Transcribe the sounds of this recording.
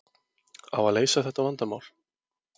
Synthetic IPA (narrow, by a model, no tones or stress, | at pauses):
a̰vaðleːjsaθɛht̪avant̪amaːwl̥